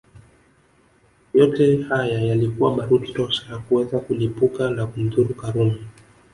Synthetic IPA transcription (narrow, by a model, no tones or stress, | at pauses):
jɔtɛhajajalikuwaɓaɾuti̥tɔʃajakuwɛzakulipukanakum̩ðuɾukaɾumɛ